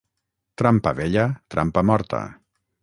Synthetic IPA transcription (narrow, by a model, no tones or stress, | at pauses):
t̪ɾampəβeʎət̪ɾʔa̰mpamɔɾt̪ə̰